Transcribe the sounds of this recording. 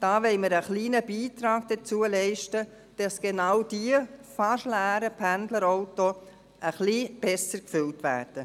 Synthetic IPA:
d̥ɑːʋɛɪməɾəχliːnəbiːtɾɑːɡd̥ət͡suəlɛɪʃtə | d̥ɑsɡ̥enɑwd̥iəfɑʃlæːɾəpʰændləɾoʊto | ʔəχlib̥ɛsəɾkfʏltʋæ̰ːɾd̥ə

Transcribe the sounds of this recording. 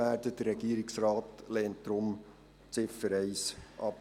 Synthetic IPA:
æːdəd̥əɾːɛɡ̥iːɾɪksrɑːtlɛːnt̚d̥ɾʊm | t͡sɪfəɾɛɪsʔɑp

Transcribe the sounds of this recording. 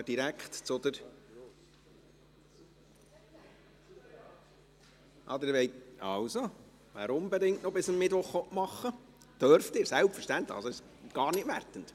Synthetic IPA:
d̥iɾækχtt͡sʊd̪əɾ | ʔɑd̪əɾʋɛɪtɑ̰wso | ʋæ̰ːɾʊmbɛdɪŋtnɔbɪsəmːɪdvoχɔʔmɑχːə | d̥œɾftɪːɾsælpfəɾʃtænt̪ləχɑlsoɪʃ | ɡ̥ɑːrnɪtʋærtənt

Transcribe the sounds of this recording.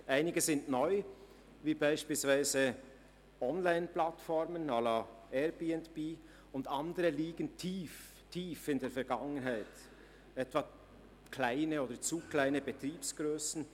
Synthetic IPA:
ʔaɪnɪɡəzɪndnɔʏ | viːbaɪʃpiːlsv̥aɪzə | ɔnlaɪnplatfɔɾmənɑla | ɛɾbiːɛntb̥iː | ʊndɑndəɾəliːɡəntʰiːf | tʰiːfɪndeːɐɾfɛɐɾɡɑŋənɦaɪt | ʔɛtv̥ɑ | kʰlaɪnəoːdət͡suːklaɪnəbətɾiːpsɡ̥ɾøːsn̩

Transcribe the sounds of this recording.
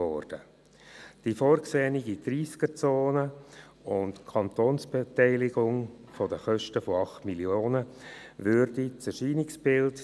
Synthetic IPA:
ɔːrd̥ə | d̥ifɔɾksɛːniɡidɾiːskəɾt͡soːnə | ʊntkʰɑnt̪oːnsb̥etɛɪlɪɡʊŋ | fɔdəχœʃtəfoɑχtmiljoːnə | ʋʏɾdit͡sɛʃiːnɪksb̥ɪlt

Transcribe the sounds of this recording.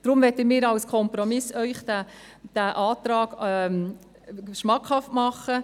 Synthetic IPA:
d̥ɾʊmʋɛtəmɪːɾɑwskʰɔmpɾɔmɪsœʏχdæ | d̥æʔɑːt̪ɾɑːɡ̥ | ʃmɑkʰhɑftmɑχːə

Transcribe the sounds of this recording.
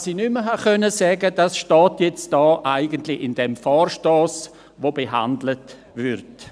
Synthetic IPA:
sinyməɦakœnəsɛːɡəd̥asʃtɔːtjɛt͡std̥ɔːʔaɪɡəntlɪɪnd̥ɛmfɔːrʃtoːs | vobeɦa̰ndlət | vɪɾt

